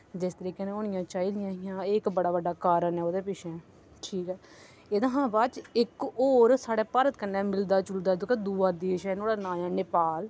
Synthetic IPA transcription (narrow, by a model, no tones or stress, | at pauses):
d͡ʒɪst̪əɾiːkenẽoːñɪjãːt͡ʃaːiːlɪjãːɦɪjãːkbəɽaːʋəɖaːkaːɾənɦɛːoːd̪eːpɪʃʰɛː | ʈʰiːkɛː | eːd̪ãːɦãːbaːt͡ʃɪkoːɾsaːɽeːpaːɾət̪kənːɛːmɪld̪aːt͡ʃʊld̪aːd̪õːkeːd̪uːaːd̪eːʃɛːnoːɽaːnaːjãːnɪpaːl